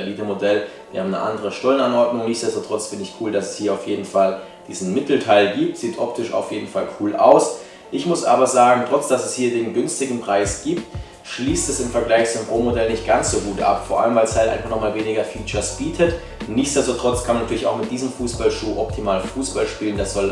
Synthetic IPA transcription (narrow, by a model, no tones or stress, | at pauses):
eliːtəmodɛl | d̥ḭhaːmnəʔa̰ndəʁəʃtɔlənanʔɔɐdnʊŋnɪçtt͡ssd̥ɛstotʁ̥ɔt͡sfɪndəɪçkʰuːldasɛshiːɐaʊfjeːdn̩fal | d̥iːzn̩mɪtl̩tʰaɪlɡiːp̚tz̥iːtʔɔp̚tʰɪʃa̰ʊfjeːdn̩falkʰuːlʔa̰ʊs | ʔɪçmʊsʔa̰ːbɐzaːɡŋ̩tʁ̥ɔt͡sd̥asɛshiːɐdeːnɡʏnstɪɡŋ̩pʁ̥aɪsɡ̥iːp̚t | ʃliːstɛsɪmfɛɐɡlaɪçt͡suʊmʁoːmodɛlnɪçt̚ɡ̥ansz̥oːɡuːtʔa̰pfoːɐʔa̰ləmvaɪlshatʔaɪnfaχnɔχmaːlveːnɪɡɐfiːt͡ʃɐsb̥iːtʰət | nɪçt͡ssd̥ɛstotʁ̥ɔt͡skʰanmanatʰyːɐlɪçʔaʊxmɪt̚d̥iːzəmfuːsb̥alʃuːʔɔptʰimaːlfuːsb̥alʃpiːləndasz̥ɔl